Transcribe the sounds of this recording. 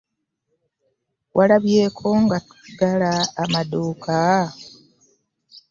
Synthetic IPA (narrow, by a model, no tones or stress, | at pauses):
wʔalaβje̞ːkʰo̞ŋɡatu̥ɡalaːmadoːkʰa